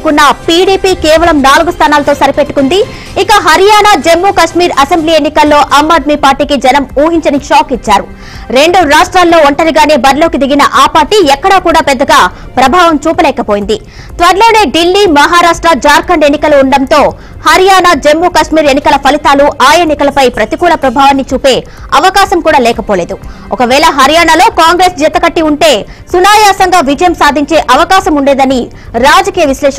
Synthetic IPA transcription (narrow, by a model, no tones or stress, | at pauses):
kunːɐpiːɽiːpiːkeːʋɐlɐmnaːluɡust̪ʰaːnaːlɐt̪o̞ːsɐɾipe̞ʈːukund̪i | ikɐɦɐɾijaːnaːd͡ʒe̞mːuːkɐʂmiːɾɐse̞mbliːe̞nːikɐlːo̞ːʔɐːmːaːd̪̚miːpaːɾʈiːkid͡ʒɛnɐmuːɦiɲt͡ʃɐniʃaːkit͡ʃːaːɾu | ɾe̞ɳɖuɾaːʂʈɾaːlːo̞ːoɳʈɐɾiɡaːne̞ːbɐɾlo̞ːkid̪iɡinɐʔaːpaːɾʈiɛkːɐɽaːkuːɽaːpɛd̪ːɐɡaː | pɾɐbʱaːʋɐmt͡ʃuːpɐlɛːkɐpo̞ːjind̪i | t̪ʋɐɾlo̞ːne̞ːɖilːimɐɦaːɾaːʂʈɾɐd͡ʒaːɾkɐɳɖe̞nːikɐluːɳɖɐnt̪o̞ː | hɐɾijaːnad͡ʒemːuːkɐʂmiːɾenːikɐlɐpʰɐlit̪aːluʔaːjenːikɐlɐpɐjpɾɐt̪ikuːlɐpɾɐbʱaːʋɐnːit͡ʃuːpe̞ː | ɐʋɐkaːsɐmkuːɽaːlɛːkɐpoːle̞ːd̪uɔkɐʋɛːlɐɦɐɾijaːnalo̞ːkaːŋɡɾe̞ːsd͡ʒɛt̪ɐkɐʈːiuɳʈe̞ː | sunaːjaːsɐŋɡaːʋid͡ʒɐjɐmsaːd̪ʱiɲt͡ʃe̞ːʔɐʋɐkaːsɐmuɳɖeːd̪ɐni | ɾaːd͡ʒɐkiːjɐʋislɛːʂɐ